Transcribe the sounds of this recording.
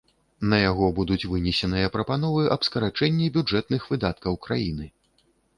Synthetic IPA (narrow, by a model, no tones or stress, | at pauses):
nɐjaɣɔbud̪ut͡sʲvɨnʲɛsʲɛnɨjɐpɾɐpan̪ɔvɨʔɐbskɐɾat͡ʂɛnʲːibʲud͡ʐɛt̪̚nɨxvɨd̪at̪̚kɐwkɾajinɨ